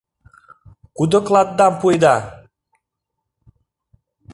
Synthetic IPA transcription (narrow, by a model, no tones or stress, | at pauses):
kud̪əklˠat̪̚ːampujd̪a